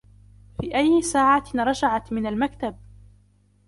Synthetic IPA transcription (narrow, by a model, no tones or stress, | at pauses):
fiːʔajːɪsaːʕaɾˤɑd͡ʒaʕat̪mɪnalmakt̪ab̚